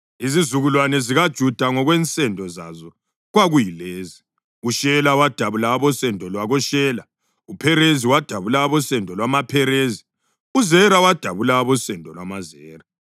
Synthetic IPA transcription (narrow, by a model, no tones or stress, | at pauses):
izizuɣulwanɛziɣad̥ʒ̥ʱud̥ʱaŋɔɣwɛnt͡sʼɛndʱɔzazɔ | ɣwaɣujileːzi | uʃɛlawad̥ʱaβulaːβɔsɛndʱɔlwaɣɔʃɛːla | upʰɛɾeziwad̥ʱaβulaβɔsɛndʱɔlwamapʰɛɾezi | uzɛɾawad̥ʱaβulaːβɔsɛndʱɔlwamazɛːra